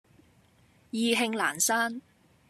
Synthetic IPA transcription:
jiː˨˧ɦɪ˧ŋla̰ː˨˩nsaː˥n

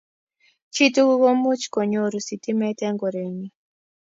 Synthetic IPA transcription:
t͡ʃi˦tu˦ɣo˦mu˦t͡ʃi̥˨kɔ˨ɲo˦ɾu˨si˨ti˦mɛ˦tɛ˦ŋɡɔ˨ɾe˨ɲi˦

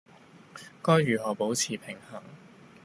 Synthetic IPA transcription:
kɔː˥jɥyː˨˩ɦɔː˨˩po˨˥wt͡sʰiː˨˩pʰɪ˨˩ŋhaː˨˩ŋ

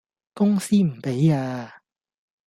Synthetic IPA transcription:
kʊ˥ŋsiː˥m̩˨˩pe˨˥jaː˧

